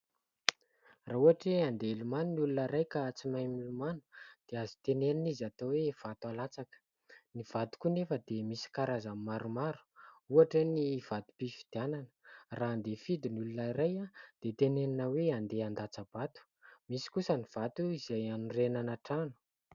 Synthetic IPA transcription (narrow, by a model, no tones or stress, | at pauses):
rauaʈ͡ʂeand̪elumanunulunəɾajkat͡simajmilumanu̥d̪̥eazi̥t̪eneninizat̪owev̥at̪alat͡sakə̥ | niv̥at̪u̥kunefəd̪emisi̥kaɾazammaɾumaɾu̥uaʈ͡ʂəniv̥at̪u̥pifid̪iananə̥raːnd̪efid̪inulunaiɾajad̪̥et̪eneninəweand̪eand̪at͡sab̥at̪u̥ | misi̥kusəniv̥at̪uizajanurenanaʈ͡ʂanu̥